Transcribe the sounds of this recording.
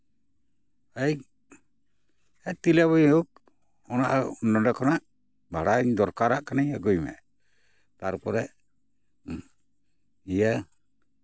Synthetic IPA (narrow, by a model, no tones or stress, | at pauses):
aj | ɛt̪ilaβɔjuk̚ | ɔna̰ʔnɔdɛkʰɔnaʔ | bʱaɽaɲd̪ɔɾkaɾaʔkanajaɡujmɛ̰ʔ | t̪aɾpɔɾɛʔ | ija